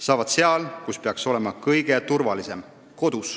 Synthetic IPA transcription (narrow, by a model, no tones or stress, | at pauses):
sɑːvɑd̪̥seɑlkuspeɑkso̞le̞mɑkɤjɡ̥e̞t̪urvɑlise̞m | ko̞d̪̥us